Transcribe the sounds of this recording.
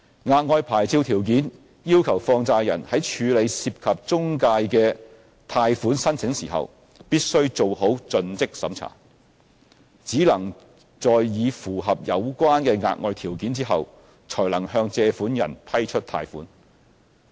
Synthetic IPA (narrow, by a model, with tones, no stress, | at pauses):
ŋaː˧t̚ŋɔː˧jpʰaː˨˩jt͡sʰiː˧wt̪ʰiː˨˩wk̬iː˨˥n | jiː˥wkʰɐ˨˩wfɔː˧ŋt͡saː˧jɐ˨˩nhɐ˨˥jt͡ʃʰyː˨˧le˨˧jsiː˧p̚kʰɐ˨p̚t͡sʊ˥ŋkaː˧jkɛː˧ | t̪ʰaː˧jfuː˨˥nsɐ˥nt͡sʰɪ˨˥ŋsiː˨˩ɦɐ̰˨w | piː˥t̚sɵ˥ɥt͡so˨who˨˥wt͡sɵ˧nt͡sɪ˥k̚sɐ̰˨˥mt͡sʰa̰ː˨˩ | t͡siː˨˥lɐ˨˩ŋ | t͡sɔː˨jːiː˨˧fuː˨˩ɦɐ˨p̚jɐ˨˧wkʷaː˥nkɛː˧ŋa̰ː˧t̚ŋɔː˧jt̪ʰiː˨˩wkiː˨˥nt͡siː˥ɦɐ̰˨w | t͡sʰɔː˨˩jlɐ˨˩ŋhœː˧ŋt͡sɛː˧fuː˨˥njɐ̰˨˩npʰɐ˥jt͡ʃʰɵ˥t̚t̪ʰa̰ː˧jfuː˨˥n